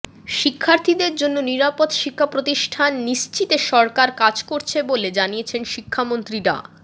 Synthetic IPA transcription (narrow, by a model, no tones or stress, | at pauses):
ʃikʰːaɾt̪ʰid̪eɾd͡ʑonːoniɾapot̪ʃikʰːapɾot̪iʃʈʰanːiʃt͡ɕit̪eʃɔɾkaɾkad͡ʑkoɾt͡ɕʰeboled͡ʑanijet͡ɕʰenʃikʰːamont̪ɾiɾa̰